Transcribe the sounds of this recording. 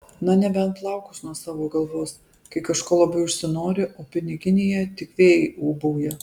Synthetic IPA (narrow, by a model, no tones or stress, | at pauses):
nɐnʲɛbʲɛnt̪lˠɐʊkʊsnuɔsɑːʋoːɡɐlˠʋoːs | kɐɪkɐʃkoːlˠɐbɐɪʊʃʲsʲɪnoːɾʲɪʔoːpʲɪnʲɪɡʲɪnʲɪjɛt̪ʲɪkʋʲeːjɪuːbɐʊjɛ